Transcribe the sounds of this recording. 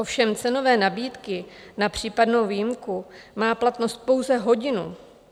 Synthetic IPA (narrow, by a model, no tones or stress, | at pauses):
ʔo̞fʃɛmt͡sɛno̞vɛːnabiːt̪kɪ | napr̝̥iːpadno̞wvijɪmkumaːplat̪no̞st̪̚po̞wzɛɦo̞ɟɪnṵ